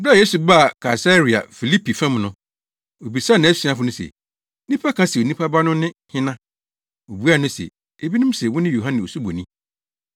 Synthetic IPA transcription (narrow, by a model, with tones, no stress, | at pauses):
ba˦˨je˦su˨ba˦a˨kʰa˨sa˦ɾi˨a̰˨fi˨li˦pʰi˨fɛ̃˦mnʊ̃˦ | o˨bi˨sa˦˨nã˨˦sĩ˨a˦˨fʊ˨˦nʊ̃˦sɛ̰˨˦ | nĩ˦pʰa˦kʰã˦sɛ˨o˨nĩ˦pʰa˦ba˦nʊ̃˦nɪ̃˦hɪ̃˦nã˦ | o˨bu˦a˦˨nʊ̃˦sɛ̰˨ | e˦bi˦nɪ̃˦m˦sɛ˨wʊ˦nɪ̃˦jo˨ɦã˦nɪ̃˨o˨su˦bo˨nĩ˦